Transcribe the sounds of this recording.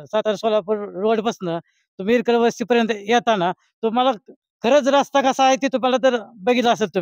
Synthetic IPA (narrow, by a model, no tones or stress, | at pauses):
sat̪aɾsolapəɾɾoɽpəsənd̪ə | t̪umiɾkəɭʋəst̪iːpəɾjənt̪jɛt̪ana | t̪oməla | kʰəɾəːt͡sɾast̪akasaːɦt̪iːt̪omalat̪əɾbəɡilaəselt̪umi